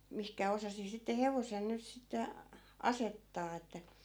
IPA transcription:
mihkæ osɑsi sitːe heʋosen nyt sitːe ɑsetːɑː etːæ

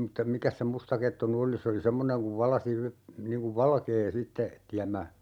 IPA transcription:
mutːɑ mikæs se mustɑketːu ny oli se oli semːoneŋ kuʋ ʋɑlɑsi y niŋ kuʋ ʋɑlkeː sitːe tiæmːæ

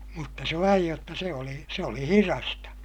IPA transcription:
mutːɑ se ʋɑij jotːɑ se oli se oli hirɑstɑ

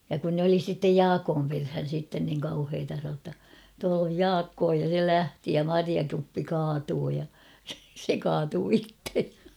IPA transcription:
jɑ kun nĕ oli sitːej jɑːkoːm perhæn̞ sitːen niŋ kɑuheːtɑ sɑn̞oː tːɑ tuɑl oj jɑːkːoː jɑ se læhti jɑ mɑriɑkupːi kɑːtuː jɑ se kɑːtuː itːej j̊ɑ̥

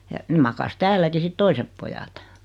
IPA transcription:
jɑ nĕ mɑkɑs tæːlːæki sit toisep pojɑt

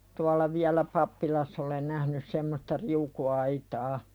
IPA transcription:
tuɑlːɑ ʋiælæ pɑpːilɑsː olen næhnys semːostɑ riukuɑitɑː

